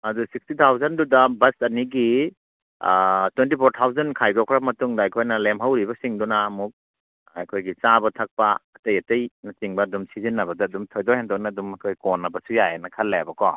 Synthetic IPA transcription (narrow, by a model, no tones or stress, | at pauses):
ɐdusik̚stitʰawzandudabɐsɐniɡi | twentipʰɔɾtʰawzankʰajdɔkʰɾamɐtuŋdaːjkʰojnɐlemɦawɾibɐsiŋdɔnaːmuk̚ | a̰jkʰojɡit͡ʃabatʰak̚paːtejɐtejnat͡ʃiŋbɐdumsizinːɐbɐdaːdumtʰojdɔhɛntʰɔnadumakʰojkɔnːɐbɐsujaenɐkʰɐlːajabakɔ̰